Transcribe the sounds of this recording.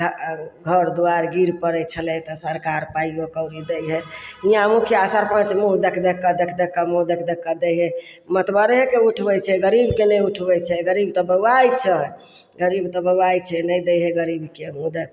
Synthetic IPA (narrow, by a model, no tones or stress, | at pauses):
ɡʱəɾd̪uaɾɡiɾpəɾɛt͡ʃʰəlɛt̪ɔsəɾkaɾpaiokəwɾid̪ɛjɦɛijãmukʰjasaɾpãt͡ʃmuɦd̪ekʰd̪ekːəd̪ekʰd̪ekːəmuɦd̪ekʰd̪ekːəd̪ejɦɛ | mət̪bəɾɦekeuʈʰbɛt͡ʃʰɛɡəɾibkeleuʈʰbɛjt͡ʃʰɛɡəɾib̚t̪ɔbəwajt͡ʃʰɛ | ɡəɾibt̪ɔbəwajt͡ʃʰɛnəjd̪ɛjɦɛɡəɾibkemud̪ekʰ